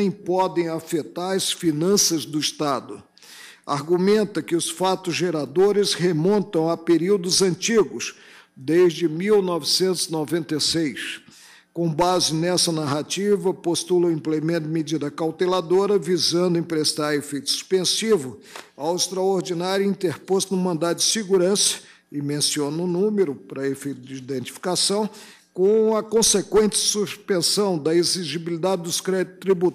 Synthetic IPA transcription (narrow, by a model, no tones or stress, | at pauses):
j̃pɔd̪ẽj̃afet̪aɾɐsfinɐ̃sɐzd̪ʊist̪ad̪ʊ | a̰ɾɡumẽnt̪ɐkɪʊsfat̪ʊzʒeɾad̪oɾɪzhemõnt̪ɐ̃w̃apeɾiwd̪ʊzɐ̃nt͡ʃiɡʊs | d̪ezd͡ʒɪmiwnɔvɪsẽnt̪ʊzinovẽnt̪esejs | kõbazɪnɛsɐnaɦat͡ʃivɐpost̪ulɐʊ̃ĩplemẽnt̪ʊɪmed͡ʒid̪ɐkawt̪elad̪oɾɐvizɐ̃nd̪ʊẽpɾest̪aɾefejt̪ʊ̥su̥spẽsivʊ | awɪst̪ɾaoɾd͡ʒinaɾjʊĩnt̪eɾpost̪ʊnʊ̃mɐ̃nd̪at̪ʊd͡ʒɪsɪɡuɾɐ̃sɐ̥ | ɪmẽsionʊnũmeɾʊpɾɐefejt̪ʊd͡ʒɪid̪ẽnt͡ʃi̥fi̥kasɐ̃w̃ | kõɐkõsekwẽnt͡ʃɪ̥suspẽsɐ̃w̃d̪ɐeziʒibilid̪ad͡ʒɪd̪ʊskɾɛt̪t̪ɾibu